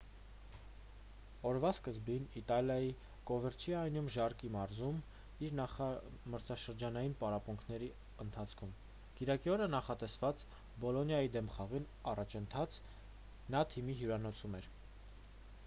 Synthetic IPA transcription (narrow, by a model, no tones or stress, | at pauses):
ɔɾvɑskəzbinit̪ɑljɑji | kɔvəɾt͡ʃʰiɑjnumʒɑrkimɑɾzum | iɾnɑχɑməɾt͡sʰɑʃəɾd͡ʒɑnɑjinpɑɾɑpuŋkʰnɛɾi | ənt̪ʰɑt͡sʰkʰum | kiɾɑkiɔɾənɑχɑt̪ɛsvɑt͡s | bɔlɔnjɑjid̪ɛmχɑʁin | ɑrɑt͡ʃʰənt̪ʰɑt͡sʰ | nɑt̪ʰimiɦjuɾɑnɔt͡sʰumɛɾ